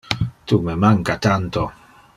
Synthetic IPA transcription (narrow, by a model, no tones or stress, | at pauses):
t̪umemaŋkat̪ant̪o